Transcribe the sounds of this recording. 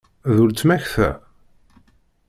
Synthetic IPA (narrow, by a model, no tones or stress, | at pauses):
ðult͡sːmæçθæ̰